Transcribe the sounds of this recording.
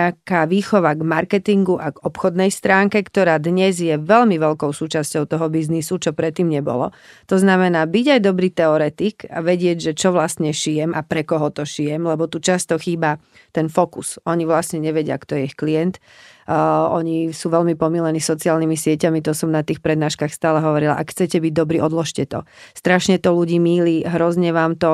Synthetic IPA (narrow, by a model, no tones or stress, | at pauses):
akaːʋiːxɔʋaɡmaɾkɛt̪iŋɡuʔaɡɔpxɔd̪nɛjst̪ɾaːŋkɛkt̪ɔɾaːd̪ɲɛzjɛʋɛlmiʋɛlkɔʊsuːt͡ʃascɔʊt̪ɔɦɔbiznisut͡ʃɔpɾɛt̪ːiːmɲɛbɔ̰lɔ̰t̪ɔznamɛnaːbiɟajd̪ɔbɾiːt̪ɛɔɾɛt̪ika̰ʋɛɟɪɛɟʒɛt͡ʃɔʋlasɲɛʃijɛmʔapɾɛkɔɦɔt̪ɔʃijɛmlɛbɔt̪ut͡ʃast̪ɔxiːba | t̪ɛnfɔkusɔɲiʋlasɲɛɲɛʋɛɟɪa̰kt̪ɔjɛixkliɛnt̪ː | ɔɲisuʋɛlmipɔmilɛnisɔt͡siaːlnimisɪɛcamit̪ɔsɔmnat̪iːxpɾɛd̪naːʃkaːxst̪aːlɛɦɔʋɔɾila̰ʔa̰kxt͡sɛcɛbiɟ̚d̪ɔbɾiːʔɔd̪lɔʃcɛt̪ɔ̰st̪ɾaʃɲɛt̪ɔluɟiːmiːliɦɾɔzɲɛʋaːmt̪ɔ